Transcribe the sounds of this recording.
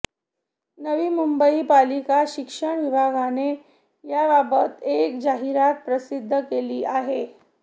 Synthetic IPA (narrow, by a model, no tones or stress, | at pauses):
nəʋiːmumbəipalikaɕikʂəɳ̃ʋibʱaɡane | jababət̪ek̚d͡ʑaɦiɾat̪̚pɾəsid̪ʱːəkeliːʔaɦe